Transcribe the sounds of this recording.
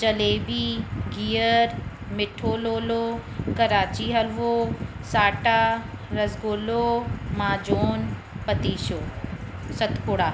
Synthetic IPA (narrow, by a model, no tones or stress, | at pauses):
t͡ɕɐleːbiɡʱiːəɾ | mɪʈʰoːloːlokɐɾaːt͡ɕiɦɐlʋosaːʈaɾɐzɡoːlomãːd͡ʑoːn | pɐt̪iːʃoːsɐt̪ʰkʊɽaː